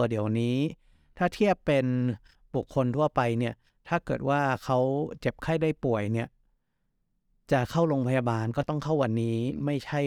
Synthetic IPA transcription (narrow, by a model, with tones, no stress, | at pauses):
di˩˦əwniː˦˥ | t̪ʰaː˥˩t̪ʰi˥˩əpːe˧n | bu˨˩kʰːo˧nt̪ʰu˥˩ɐpa˧jni˥˩ɐ | t̪ʰaː˥˩kɤː˨˩t̪̚waː˥˩kʰa˦˥wt͡ɕe˨˩p̚kʰa˥˩jdaː˥˩jpu˨˩əjni˥˩ɐ | t͡ɕa˨˩kʰa˥˩wɾo˧ŋpʰa˧ja˧baː˧nkɔː˥˩t̪ɔ˥˩ŋkʰa˥˩wːa˧nːiː˦˥ma˥˩jt͡ɕʰa˥˩